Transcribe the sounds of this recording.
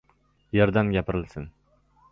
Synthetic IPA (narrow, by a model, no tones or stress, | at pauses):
jeɾd̪anɡʲapɪɾɪlsɪn